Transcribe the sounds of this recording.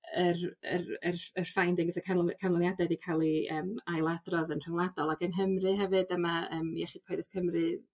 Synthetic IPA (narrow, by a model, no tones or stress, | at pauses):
ərə̰rərərfajndɪŋɡəsɛkʰakʰanlˠɔnjadɛdikʰalˠiəːmajlˠadrɔðənr̥əŋlˠadɔlˠaɡənɦəmrɨɦɛvɨdəmaəːmjɛχɨd̥̚kʰwejðɪskʰəmrɨ